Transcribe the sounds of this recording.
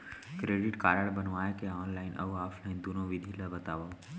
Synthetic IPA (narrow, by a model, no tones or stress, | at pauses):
kɾeːɖɪʈkaːɾəɽbənʋaːekeɔːnlaːɪnʔɐ̰aːpʰlaɪnd̪unõʋɪd̪ʱiləbɐt̪aːʋo